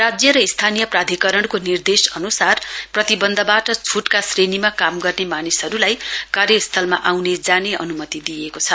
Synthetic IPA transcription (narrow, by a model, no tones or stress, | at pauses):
rad͡zjʌɾʌist̪ʰanijʌprad̪ʱikʌɾʌɽkonird̪esʌnusarprʌt̪ibʌnd̪ʱʌbaʈʌt͡sʰuʈkasrenimakamɡʌrnemanisʌɾulajkarjʌist̪ʰʌlma̰ʔawned͡zaneʌ̰numʌt̪id̪ijekot͡sʰʌ